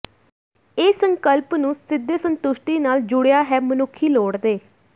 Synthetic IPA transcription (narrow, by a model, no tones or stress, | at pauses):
eːsəŋkəlpnũːsɪd̪ːeːsənt̪ʊʃʈiːnaːld͡ʒʊɽjaːɦɛːmənʊkʰːiːloːɽd̪eː